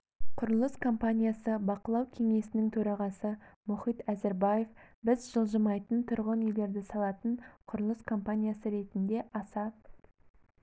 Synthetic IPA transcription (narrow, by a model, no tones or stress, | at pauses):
qʰʊɾəlˠəskʰo̞mpanʲijasəbɑqəlˠɑwkʲʰe̞ŋe̞sɪnɪŋt̪ʰɵɾɑʁɑsəmʊχijt̪æzeɾbaje̞fbɪzʒəlˠʒəmɑjt̪ənt̪ʰʊɾʁənejle̞ɾd̪ɪsɑlˠɑt̪əɴqʰʊɾəlˠəskʰo̞mpanʲijasəɾe̞t̪ɪnd̪e̞ʔɑsɑp̪